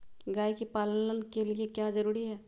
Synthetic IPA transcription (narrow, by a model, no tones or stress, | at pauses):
ɡaːikipaːlnənkeliekjazɐɾuːɾiɦɛː